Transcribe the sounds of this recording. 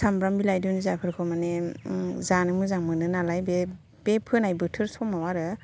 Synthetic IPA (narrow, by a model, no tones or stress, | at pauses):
sambɾambilajdɯnizapʰɯɾkʰɔmane | zanɯmɯzaŋmɯnɯnalajbe | b̥epʰɯnajbɯtʰɯɾsɔmawaɾɯ